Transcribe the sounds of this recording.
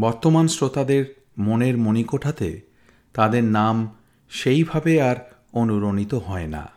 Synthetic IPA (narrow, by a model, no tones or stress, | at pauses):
bɔɾt̪omansɾot̪ad̪eɾ | moneɾmonikoʈʰat̪ḛ | t̪ad̪eɾnam | ʃejbʱabeaɾ | onuɾonit̪oɦɔena̰